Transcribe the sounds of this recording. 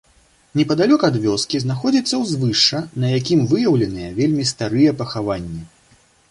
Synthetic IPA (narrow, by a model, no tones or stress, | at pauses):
nʲɛpɐd̪alʲɔkɐad̪vʲɔskʲiznaxɔd͡zʲit̪sːɐwzvɨʂt͡ʂːɐnɐjakʲimvɨjɐwlʲɛnɨjɐvʲelʲmʲist̪aɾɨjɛpɐxavanʲːɛ